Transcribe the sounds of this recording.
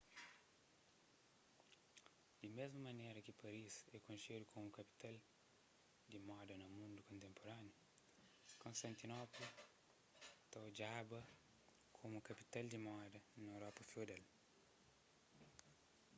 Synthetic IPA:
d̪̥imezmɐmɐnɛɾɐkipɐɾisɛkõnsedukʰomukɐpi̥t̪al | d̪imɔd̪ɐnɐmũnd̪ukõnt̪ẽmpoɾanju | kõnst̪ɐ̃nt̪inɔplu | t̪ad͡ʒabɐ | kʰomukɐpit̪ald̪imɔd̪ɐnɐewɾɔpɐfiod̪ɛl

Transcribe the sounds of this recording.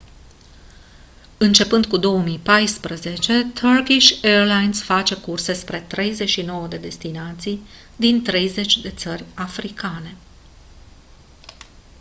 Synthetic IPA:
ɨnt͡ʃe̞pɨnd̪̚kud̪o̞wəmijpajspɾəze̞t͡ʃe̞t̪ʰərkiʃʲerlajnsfat͡ʃe̞kurse̞spɾe̞t̪ɾe̞jze̞ʃino̞wəd̪e̞d̪e̞st̪inat̪sij | d̪int̪ɾe̞jze̞t͡ʃʲd̪e̞t̪sərʲafɾikane̞

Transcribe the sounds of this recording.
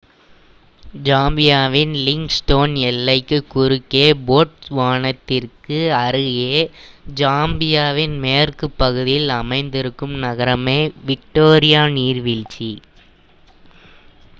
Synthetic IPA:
d͡ʒaːmbɪjaːʋɪnlɪŋɡsʈoːnɛlːɐɪkːɯkːʊɾɯkːeːboːʈʋaːɳɐt̪ːɪrkɯɐɾɯɣeːd͡ʒaːmbɪjaːʋɪnmeːrkɯpːɐɣɯðɪjɪlɐmɐɪnd̪ɪɾɯkːɯmnɐɣɐɾɐmeːʋɪk̚ʈoːɾɪjaːniːɾʋɪɻt͡ʃi

